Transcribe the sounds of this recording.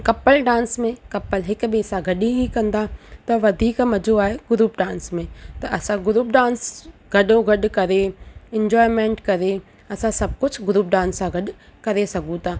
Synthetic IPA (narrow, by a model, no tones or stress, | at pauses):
kɐpːəlɖãːnsmẽkɐpːəlɦɪkbisãɡʱɐɗĩɦĩkɐ̃nd̪aːt̪ɐʋɐd̪ʱiːkmɐd͡ʒoaːɦeɡʊɾuːp̚ɖãːnsmẽt̪ɐʔɐsãɡʊɾuːpɖãːnsɡɐɗõɡʱɐɗkɐɾeɪ̃ɲd͡ʒɔːɪmẽːɳʈkɐɾe | ɐsãsɐb̚kʊd͡ʒʰɡʊɾuːp̚ɖãːnsãɡʱɐɗkɐɾesɐɡʱũt̪ʰaː